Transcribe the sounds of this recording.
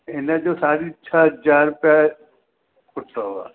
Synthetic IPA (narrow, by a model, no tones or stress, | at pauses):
ɪnẽd͡ʒosaːɾitːʃʰad͡ʒaːɾʊpja | kʊt̪aɦua̰ː